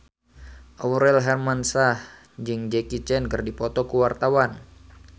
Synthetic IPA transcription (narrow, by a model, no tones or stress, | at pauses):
ʔɔwɾɛlɦɛrmansah | d͡ʒɨŋd͡ʒɛkit͡ʃɛnkɨrdipɔt̪ɔkuwart̪awan